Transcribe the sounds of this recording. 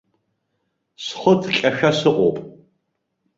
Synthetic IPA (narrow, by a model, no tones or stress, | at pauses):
sχətʰkʲʼaʃᶣasɨqʷʼo̰wpʼ